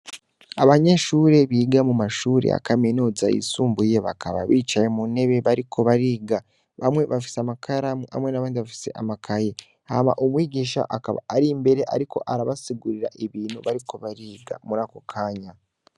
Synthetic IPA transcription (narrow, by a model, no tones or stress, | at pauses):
aβaɲe̞ʃuːɾe̞βiːɡamumaʃuːɾḛa̰kaminuːzaḭsuːmbuje̞βakʰaβaβiːt͡ʃajemune̞βe̞βaɾikʰo̞βaɾiːɡa | βamwe̞βafi̥seamakʰaɾamβa̰mwe̞naβaːndiβafi̥se̞̰ʔamakʰaje | ha̰ma̰ʔomwiːɡiːʃa̰ʔakaβa̰ːɾimbe̞ɾe̞ʔa̰ɾiko̞̰ʔaɾaβasiɡuɾiɾa̰ʔiβiːnhuβaɾikʰo̞βaɾiːɡa̰muɾaːko̞kʰaːɲa